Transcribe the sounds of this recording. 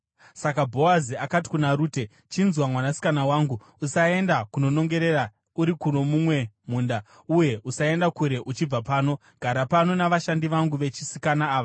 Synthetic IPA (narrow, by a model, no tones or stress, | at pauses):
sakabʱo̞aziakati̥kunaɾuːte̞ | t͡ʃinzwamwanasi̥kanawaːŋɡuːsae̞ndakuno̞no̞ŋɡe̞ɾe̞ɾa | uɾikuno̞mumwe̞m̤uːnda | uje̞ʔusae̞ndakuɾe̞ʔut͡ʃib͡vapaːno̞ | ɡ̥ʱaɾapano̞naʋaʃandiʋaŋɡuʋe̞t͡ʃisikanaːʋa